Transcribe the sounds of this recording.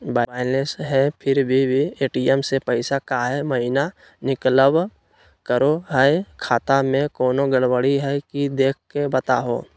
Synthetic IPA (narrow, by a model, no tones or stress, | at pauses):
baaːɪnesɦɛpʰɪɾbʱibʱieːʈiːɛmsepəɪsakaːɦɛməɦɪna | nɪkləb | kəɾoɦɛekʰaːt̪amẽkɔːnoɡəɽwəɽiɦɛkid̪eːkʰkebət̪a̰ɦo̰ː